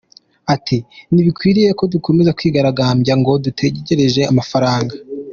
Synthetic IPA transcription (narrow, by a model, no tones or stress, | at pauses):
atʰiniβikwiːɾije̞ko̞dukʰo̞mezakwiːɡaɾaɡaːmɟaŋɡo̞dutʰe̞ɟeɟe̞ɾe̞ʒe̞amafaɾaːŋɡa